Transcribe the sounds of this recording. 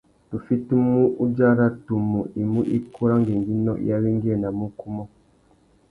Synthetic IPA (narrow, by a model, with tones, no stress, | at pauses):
nu˨fi˦tu˦mu˦ʔu˦d͡ʒa˦ɾa˦tu˨mu˨ʔi˨mu˦ʔḭ˦ku˦ɾa˦ŋɡe˨ŋɡi˦nɔ̰˦ja˦wi˦ŋɡi˦ɛ˦˨na˨mu˦ku˦mɔ˦